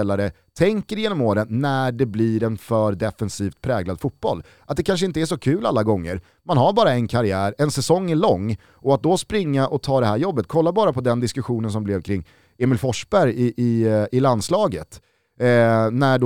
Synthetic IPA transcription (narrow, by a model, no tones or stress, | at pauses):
ɛlaɾə | t̪ʰɛŋkəɾjeːnɔmoːɾənːæɖɛblɪɾɛnfœɾd̪ɛfɛnsiːft̪̚pʰɾɛːɡlad̪fut̪̚b̥ɔlː | ʔat̪̚d̪ɛkʰanʂ̬əɪnt̪əæʂɔkʰʉ̟ːla̰lːaɡɔŋːə̰ɾ | manɦaɾbɑːɾaɛnkʰaɾɪæːɾɛnsɛsɔŋːɛɭɔŋː | ʔɔat̪̚d̪ɔspɾɪŋːaʔɔt̪ʰɑːd̪ɛɦæːɾjɔbːət̪kʰɔlːabɑːɾapʰɔd̪ɛnd̪ɪskɵɧuːnəns̬ɔmblɛvkʰɾɪŋː | eːmɪlfɔʂbæɾjɪʔɪɪland̪slɑːɡət̪ | næɖ